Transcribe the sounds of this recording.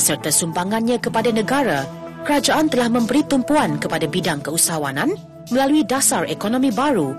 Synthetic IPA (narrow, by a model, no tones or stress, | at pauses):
sərt̪asumbaŋãnɲãkəpadanə̃ɡaɾa | kəɾad͡ʒaʔant̪əlahmə̃mbəɾit̪umpuankəpadabidaŋkəusawanãn | mə̃laluidasarekonõmĩbaɾu